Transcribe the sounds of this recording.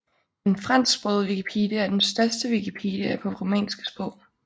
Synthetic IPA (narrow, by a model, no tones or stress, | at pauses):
denfʁɑn̰sɡb̥ʁɔðˠʋikipʰḛːd̥jəæɐd̥ensd̥ɶɐsd̥əʋikʰipʰḛːd̥jəæpʰɒ̽ʁomɛ̰ːnsɡ̥ə̥sb̥ɔ̰ʊ̰